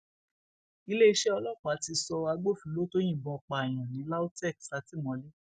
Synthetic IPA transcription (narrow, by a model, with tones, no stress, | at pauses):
i˧le˦i˧ʃɛ˦ɔ˧lɔ˦˨k͡pa˨˦ti˧sɔ˧a˧ɡ͡bo˦˨fi˨˦lo˦to˦j̃ĩ˦˨bɔ̃˧k͡pa˧˨j̃ã˨nĩ˨˦la˦o˦tɛ˦˨ksa˧˦ti˦mɔ̃˨˧˦le˦